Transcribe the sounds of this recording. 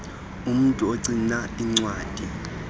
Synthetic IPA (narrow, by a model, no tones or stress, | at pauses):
um̩tʼuoǀinaiŋ͡ǀwaːd̥ʱʼi